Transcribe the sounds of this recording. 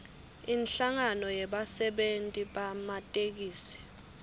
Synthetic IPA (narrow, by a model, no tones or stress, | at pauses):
inɬaŋanɔjɛɓasɛɓentʼiɓamatʼek̬iːsɛ̥